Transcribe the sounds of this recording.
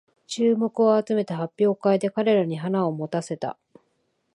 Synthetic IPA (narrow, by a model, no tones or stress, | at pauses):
t͡ɕɨːmo̞kɯ̟o̞at͡sɨme̞t̪aɦapʲːjo̞ːkaid̪e̞kaɾe̞ɾaɲ̟iɦanao̞mo̞t̪ase̞t̪a̰